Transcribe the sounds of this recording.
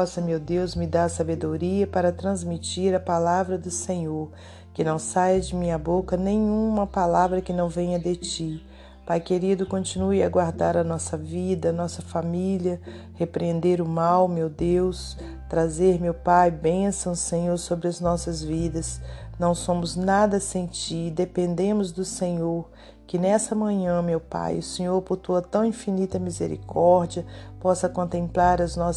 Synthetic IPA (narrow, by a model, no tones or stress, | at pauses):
ɔsɐmewd̪ewzmɪd̪asabed̪oɾiɐpaɾɐt̪ɾɐ̃zmit͡ʃiɾɐpalavɾɐd̪ʊsẽɲoɾ | kɪnɐ̃w̃sajɐd͡ʒɪmĩɲɐbokɐnẽjũmɐpalavɾɐkɪnɐ̃w̃vẽɲɐd̪et͡ʃi | pajkeɾid̪ʊkõt͡ʃinujaɡwaɾd̪aɾɐnɔsɐvid̪ɐːnɔsɐfamiliɐ | hepɾẽnd̪eɾʊmawmewd̪ews | t̪ɾazeɾmewpajbẽj̃ɐsɐ̃ʊsẽɲoɾsobɾɪɐznɔsɐzvid̪ɐsnɐ̃w̃sõmʊznad̪ɐsẽnt͡ʃid̪epẽnd̪ẽmʊzd̪ʊsẽɲoɾ | kɪnɛsɐmɐ̃ɲɐ̃mewpa̰jʊsẽɲoɾpoɾt̪uɐt̪ɐ̃w̃ĩfinit̪ɐmizḛɾḭkʰɔɾd͡ʒiɐpɔsɐkõnt̪ẽmplaɾɐznɔs